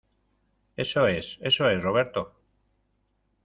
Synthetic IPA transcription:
e̞soese̞soe̞sroβ̞eɾt̪o

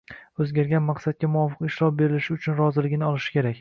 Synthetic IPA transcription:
ɵzɡʲaɾɡʲanmaqs̪ad̪̚kʲamʊɒfɨqɪʃɾɒfbe̞ɾɪlɪʃɪʊt͡ʃʰʊnɾɒzɪlɪɡʲɪnɪɒlˠɪʃɪ̥kʲe̞ɾakʲ

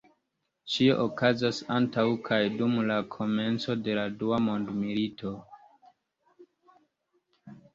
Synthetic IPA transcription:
t͡ʃioʔokazasantawkʰajdumlakʰo̞me̞nt͡so̞de̞laduamo̞ndmilitʰo̞

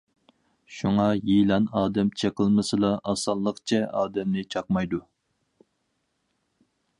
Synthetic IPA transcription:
ʃuŋɑjijlɑnɑːd̪ɛmt͡ʃʰeqəlˠmɨsɨlˠɑʔɑsɑlˠːəqt͡ʃʰɛʔɑːd̪ɛmnɪt͡ʃʰɑqmɑjd̪u

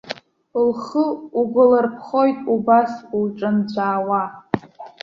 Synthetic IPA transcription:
lχəuɡʷʊlarpʰχo̞jtʼubasulʈ͡ʂʼɨnt͡ɕʷʰaːwa

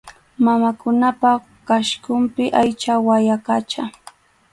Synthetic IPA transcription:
mamakʊnapa | kaʃkʊmpɪʔajt͡ʃawajakat͡ʃa

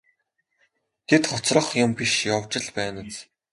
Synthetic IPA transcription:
ɡ̥et̪χɔt͡srə̆χjʊmpʲiʃjawt͡ɕɪ̆ɮpæːnə̆t͡s

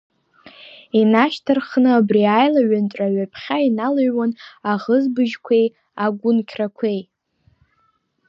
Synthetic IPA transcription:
inaʃtʰɨrχnɨabriajlaɥanʈ͡ʂʷʼaɥapʰχʲainalaɥwanaʁəzbɨʒkʷʰej | aɡʷʊnkʲʰrakʷʰej

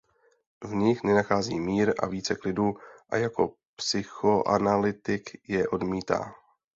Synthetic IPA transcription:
vɲɪxnɛnaxaːziːmiːɾʔa̰viːt͡sɛklɪduːʔa̰jako̞̰ | psɪxoʔa̰nalɪt̪ɪkjɛʔo̞dmiːt̪a̰ː

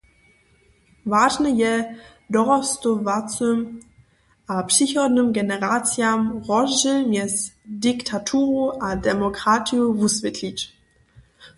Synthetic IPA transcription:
vaːʒnɛjɛ | d̪ɔʁɔst̪ɔvat͡søm | ʔapʂixɔdnəmɡɛnɛʁat͡sjamʁɔʒəmjɛsdiktʰatʰuːʁuʔadɛmɔkʁatijuvusvʲɛtʰlʲit͡ɕ

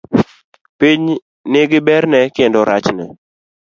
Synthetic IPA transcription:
piɲ | nɪɡɪbɛɾnɛkɪndɔɾat͡ʃnɛ̰

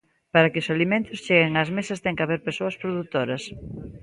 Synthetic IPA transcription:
paɾɐkɪosalimẽnt̪ʊst͡ʃeɣeŋazmesɐst̪ɛŋkaβeɾpesoɐspɾoðut̪oɾɐs

